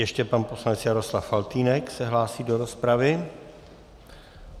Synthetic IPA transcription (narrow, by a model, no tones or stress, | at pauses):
jɛʃcɛpanpo̞slanɛt͡sjaɾo̞slafalt̪iːnɛksɛɦlaːsiːdo̞ɾo̞spɾavɪ